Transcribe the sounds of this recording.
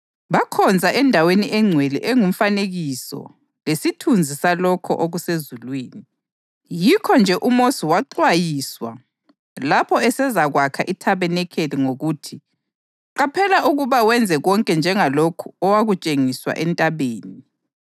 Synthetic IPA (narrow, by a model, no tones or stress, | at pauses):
βakʰɔnd͡zʱaʔɛndʱaweniʔɛŋ͡ǀʱwelḭʔɛŋum̩faneɣisɔ̰ | lesitʰund͡zʱisalɔkʰɔ̰ʔoɣusezulwiːni | jikʰɔnd͡ʒʱɛʔumosiwaǃwajiːswa̰ | lapʰɔɛsɛzaɣwakʰaʔitʰaβɛnɛkʰeliŋoɣutʰi | ǃapʰɛlaʔuɣuβawɛnd͡zʱɛɣɔŋkʼɛnd͡ʒʱɛŋalokʰu̥ɔwaɣut͡ʃʼeŋiswa̰ʔɛntʼaβeːni